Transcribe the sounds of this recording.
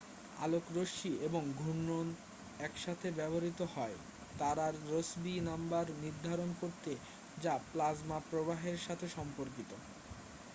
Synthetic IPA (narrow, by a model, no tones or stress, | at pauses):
a̰lokɾoʃieboŋɡʱunːon | ɛkʃat̪ʰebɛboɾit̪ohɔe | t̪aɾaɾːosbinambaɾniɾd̪ʱaɾonkoɾt̪e | d͡ʑaplazmapɾobaɦeɾʃat̪ʰeʃɔmpoɾk̬it̪o